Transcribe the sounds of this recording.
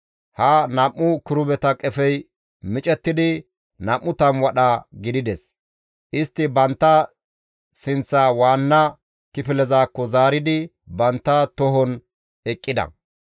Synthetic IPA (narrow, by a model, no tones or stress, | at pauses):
hɐnɐʔːʊkɪɾʊbɛt̪ɐkʼɛfɛj | mɪt͡ʃʼɛt̪ːɪd̪ɪ | nɐmʔːʊt̪ɐmwɐɗɐɡɪd̪ɪd̪ɛs | ʔɪst̪ːɪbɐnt̪ːɐ | sɪnt͡sːaːwaːnːɐ | kɪfɪlɛzaːkːɔzaːɾɪd̪ɪ | bɐnt̪ːɐt̪ɔɦɔn | ɛkʼːɪd̪ɐ̰